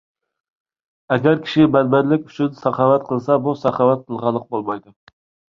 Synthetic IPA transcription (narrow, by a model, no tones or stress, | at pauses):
ɛɡʲæɾkʲʰi̥ʃɪmɛnmɛnlɪkʲyt͡ʃʰynsɑχɑwɛt̪̚qʰəlˠsɛbusɑχɑwɛt̪̚qʰəlˠʁɑlˠːəq̚bolˠmɑjd̪ʊ